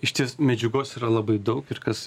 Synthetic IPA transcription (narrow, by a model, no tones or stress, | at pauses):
ɪʃʲt̪ʲismʲɛd͡ʒʲʊɡoːsiːɾɐlˠɐbɐɪd̪ɒʊkɪɾkɐs